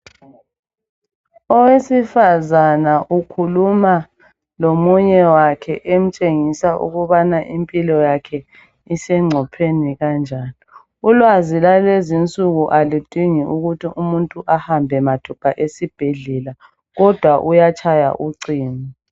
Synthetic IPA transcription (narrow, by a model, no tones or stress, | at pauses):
ɔwesifazanaʔukʰuluma | lomuɲɛwakʰɛʔem̩t͡ʃʼeŋisaʔṵɣuβanaʔimpʼilɔjakʰɛ | isɛŋ͡ǀʱɔpʰeniɣand͡ʒʱaːni | ulwazilalezint͡sʼuɣuʔalitʼiŋiuɣutʰiʔumuntʼuʔahambʱɛmatʰupʰaʔesib̥ʱeɮɛla | ɣɔd̥ʱwaʔujat͡ʃʼʰaja̰ʔuǀiːni